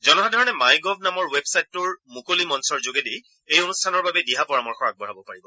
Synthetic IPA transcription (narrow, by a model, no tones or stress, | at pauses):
zɔnɔɦadʱɔɹɔnɛmajɡɔbʱnamɔɹwebsajtːʊɹmukolimɔnsɔɹzoɡedi | ejonustʰanɔɹbabɛdiɦapɔɹamɔɹxɔɹak̚bɔɹabɔpaɹibɔ